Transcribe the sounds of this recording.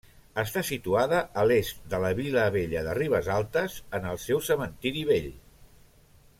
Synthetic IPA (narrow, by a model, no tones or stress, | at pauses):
əst̪asit̪uaðəʔəlest̪̚d̪ələβiləβeʎəðəriβəzalˠt̪əzənəlˠsɛwsəmənt̪iɾiβeʎ